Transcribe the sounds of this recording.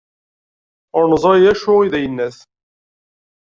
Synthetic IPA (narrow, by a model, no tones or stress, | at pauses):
ʊɾnzˤɑjæʃʊʁiðæjənːæθ